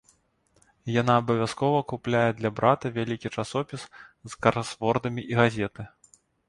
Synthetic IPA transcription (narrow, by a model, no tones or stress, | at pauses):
janaːbɐvʲaskɔvɐkuplʲajɛd̪lʲɐbɾat̪ɐvʲalʲikʲit͡ʂasɔpʲiszkɐɾasvɔrd̪ɐmʲiʔiɣazʲɛt̪ɨ